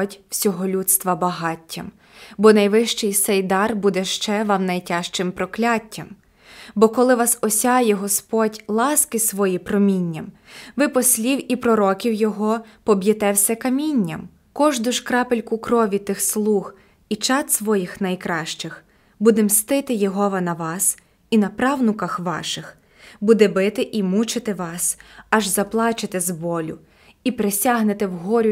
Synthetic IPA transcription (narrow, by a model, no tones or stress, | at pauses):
tʲw̥sʲɔɦɔlʲut̪st̪ʋɐbɐɦɑtʲʰːɐm | bɔnɐjʋɪʃt͡ʃɪjt̪sɛjd̪ɑrbud̪ɛʃt͡ʃɛʋɑmnɐjtʲɑʃt͡ʃɪmpɾɔklʲatʲːɐm | bɔkɔlˠɪʋɑsɔsʲɑjɛɦɔspɔdʲlˠɑskɪsʋɔjipɾɔmʲinʲːɐmʋɪpɔsʲlʲiwipɾɔɾɔkʲiwjɔɦɔpɔbjɐt̪ɛwsʲɛkɐmʲinʲːɐm | kɔʒd̪ʊʃkɾɑpelʲkʊkɾɔʋʲit̪ɪxslˠux | it͡ʃɑt̪sʋɔjixnɐjkɾɑʃt͡ʃɪx | bud̪ɛmst̪ɪt̪ɪjɔɦɔʋɐnɐʋɑs | inɐpɾɑwnʊkɐxʋɑ̰ʃɪx | bud̪ɛbɪt̪ɪʔimut͡ʃɪt̪ɪʋɑsɐʒzɐplˠɑt͡ʃɪt̪ɪzbɔlʲʊ | ipɾesʲaɦnɪt̪ɪwɦɔɾʲʊ